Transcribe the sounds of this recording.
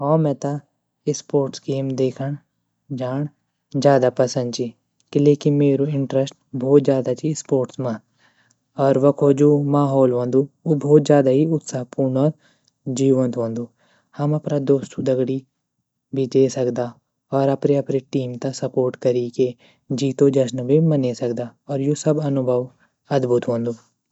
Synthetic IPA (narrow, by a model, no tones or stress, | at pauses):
ɔːmɛ̃ːt̪ɐ | ɪspoːɾʈskeːmd̪eːkʰəɽ | d͡ʒaːɽ̃ | d͡ʒjaːd̪apɐsə̃nd̪̚t͡ʃi | keleːkɪnmeːɾoɪ̃ɳʈɾəsʈ̚bʱoːt̪̚d͡ʒjaːd̪at͡ʃispoːɾʈsmã | ɔːɾʋɐkʰod͡ʒuːmaːɦɔːlʋɐ̃ːnd̪uubʱɔːt̪d͡ʒjaːd̪aɦiʊt̪saːɦpuːnɔːɾ | d͡ʒiːʋə̃nt̪ɦõːnd̪uː | hɐmɐpnad̪oːst̪ʰud̪ɐɡɽi | bʱid̪eːsɐkd̪a | ɔːɾɐpɾeɐpɾeʈiːmt̪ɐsɐpoːɾʈkɐɾike | d͡ʒiːt̪od͡ʒɐʃnbʱimɐnesɐkd̪aɔːɾjosɐbɐnʊbʱəʋ | ɐd̪bʱʊt̪ɦõːnd̪uː